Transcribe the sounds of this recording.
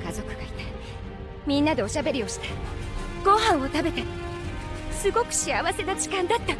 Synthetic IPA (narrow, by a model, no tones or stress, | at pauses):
kazo̞kɯ̟ɡait̪ḁ | mʲĩnːad̪e̞o̞ɕabe̞ɾʲio̞ɕi̥t̪ḁ | ɡ̥o̞ɦãɰ̃o̞t̪abe̞t̪aɾʲi | sɨɡo̞kɯ̥ɕiaβase̞nad͡ʑi̥kãnd̪at̪ːa